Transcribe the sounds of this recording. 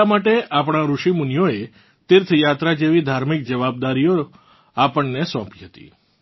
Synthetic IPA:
amaʈeʔap̬ɽ̃aɾuʃimunjoe | t̪ɪɾt̪ʰəjat̪ɾad͡ʒeʋid̪ʱaɾmik̚d͡ʒəʋab̚d̪aɾijo | apəɳnesɔ̃piɦət̪ḭ

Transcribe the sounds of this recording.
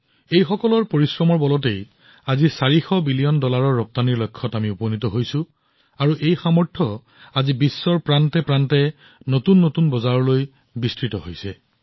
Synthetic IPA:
ejxɔkɔlɔɹpoɹisɹɔmɔɹbɔlɔt̬ej | azisaɹixɔbilijɔndɔlaɹɔɹːɔp̚taniɹlojkʰːɔtamiuponitɔɦojsʊ̃ | aɹuʔejxamɔɹtʰɔ | azibisːɔɹpɹantɛpɹantɛ | notunːotunbɔzaɹɔloj | bistɹitɔɦojsɛ

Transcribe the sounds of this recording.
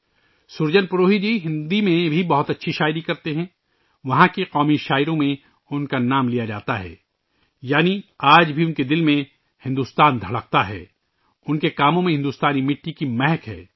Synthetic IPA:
sʊɾd͡ʒənpʊɾoːɦid͡ʒiːɦɪ̃nd̪imẽbʱibɐɦʊt̪ɐtːʃʰiʃaːɪɾikɐɾt̪eɦɛ̃ː | ʋɐɦãkiqɔːmiʃaːɪɾõmẽ | ʊnkanaːmlijad͡ʒa̰ːt̪aɦɛ̰ː | jaːniaːd͡ʒbʱiʊnked̪ɪlmẽ | hɪ̃nd̪ust̪aːnd̪ʱɐɽək̚t̪aɦɛ̰ː | ʊnkekaːmõmẽɦɪ̃nd̪ust̪aːnimɪʈːikimɛɦɛkɦɛ̰ː

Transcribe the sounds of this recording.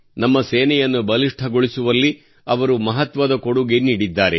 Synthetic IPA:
nɐmːɐseːnɛjɐnːubɐliʂʈʰɐɡoɭisuʋɐlːi | ɐʋɐɾumɐɦɐt̪ʋɐd̪ɐkoɽuɡeniːɽid̪ːaːɾe̞

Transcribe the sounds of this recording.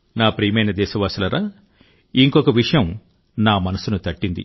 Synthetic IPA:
naːpɾiːmɐjnɐd̪ɛːʃɐʋaːsulɐɾaː | iŋkɔkɐʋiʂɐjɐm | naːmɐnɐsunut̪ɐʈːind̪ḭ

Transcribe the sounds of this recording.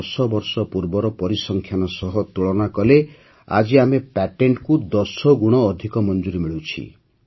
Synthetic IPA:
sɔbɔɾsɔpuɾbɔɾɔpɔɾisɔŋkʰjanɔsɔɦɔt̪uɭɔnakɔle | a̰d͡ʒiamepɛʈeɳʈkud̪ɔsɔɡuɽ̃ɔːd̪ʱikɔmɔnd͡ʒuɾimiɭut͡ʃʰḭ

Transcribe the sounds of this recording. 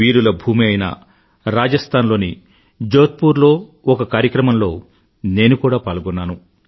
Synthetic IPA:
iːɾulɐbʱuːmiɐjnɐ̰ | ɾaːd͡ʒɐst̪ʰaːnlo̞ːni | d͡ʒoːt̪̚puːɾlo̞ːɔkɐkaːɾjɐkɾɐmɐmlo̞ː | ne̞ːnukuːɽaːpaːlɡɔnːaːnu

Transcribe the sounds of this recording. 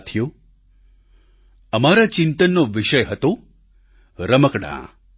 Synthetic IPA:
t̪ʰjo | əmaɾat͡ʃɪnt̪ənːoʋɪʃəjɦət̪o | ɾəməkɽã̰

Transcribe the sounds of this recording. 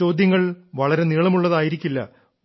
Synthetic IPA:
o̞ːd̪ʱjɐŋːɐɭʋɐɭɐɾe̞niːɭɐmuɭːɐðaːjiɾikʲːilːɐ̰

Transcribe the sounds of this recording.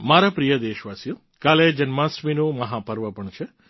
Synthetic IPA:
maɾapɾijəd̪eːʃʋaːsju | kaːled͡ʒənmãsminumɐɦapəɾʋəpəɳt͡ʃʰe

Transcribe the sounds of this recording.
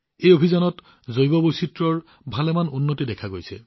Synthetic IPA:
ejobʱizanɔt | zojbɔbositɹɔɹ | bʱalɛmanunːotidɛkʰaɡojsɛ̰

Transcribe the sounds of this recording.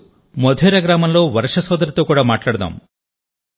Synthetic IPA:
mɔd̪ʱjeɾaɡɾamɔnloʋɐɾʃɔsɔd̪ɐɾit̪ukuɽamaʈlaɽud̪a̰m

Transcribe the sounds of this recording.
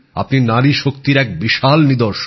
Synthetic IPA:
a̰pninaɾiʃokt̪iɾɛk̚biʃalnid̪oɾʃ

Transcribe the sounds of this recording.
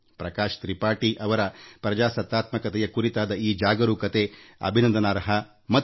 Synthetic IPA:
pɾɐkaːʃt̪ɾipaːʈiʔɐʋɐɾɐpɾɐd͡ʒaːsɐt̪ːaːt̪mɐkɐt̪ɛjɐkuɾit̪aːd̪ɐiːd͡ʒaːɡɐɾukɐt̪eɐ̰bʱinɐnd̪ɐnaːɾɐɦɐ | mɐ

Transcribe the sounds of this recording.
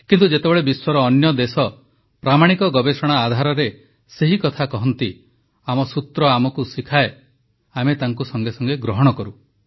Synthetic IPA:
kint̪ud͡ʒet̪ebɔɭebiswɔɾɔːnjɔd̪esɔ | pɾamaɽ̃ikɔɡɔbesɔɽ̃aːd̪ʱaɾɔɾe | seɦikɔt̪ʰakɔɦɔnt̪i | amɔsut̪ɾɔamɔkusikʰae | amet̪aŋkusɔŋɡesɔŋɡeɡɾɔɦɔɽ̃ɔkɔɾu

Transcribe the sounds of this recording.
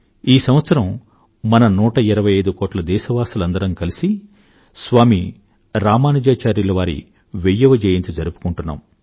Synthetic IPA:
iːsɐmʋɐt̪sɐɾɐm | mɐnɐnuːʈɐiɾɐʋɐjɐjd̪ukoːʈlɐd̪ɛːʃɐʋaːsɐlɐnd̪ɐɾɐŋkɐlisi | sʋaːmi | ɾaːmaːnɐd͡ʒaːt͡ʃaːɾilɐʋaːɾḭ | ʋejːɐʋɐd͡ʒɛːjɐnt̪ud͡ʒɐɾupu̥kuɳʈunːa̰ːm

